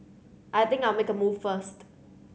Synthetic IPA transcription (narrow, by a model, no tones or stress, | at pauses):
ʔaɪt̪ɪ̃ŋkaɪlˠmekəmuːvfəst